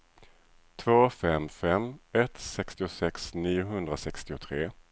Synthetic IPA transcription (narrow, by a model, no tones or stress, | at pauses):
t̪ʰvoːfɛmfɛmːɛt̪sɛkst̪ɪʊsɛksniːʊɦɵnd̪ɾasɛkst̪ɪʊt̪ʰɾeː